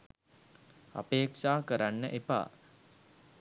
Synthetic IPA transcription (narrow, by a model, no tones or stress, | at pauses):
a̰peːkʂaːkəɾanːəʔepa̰ː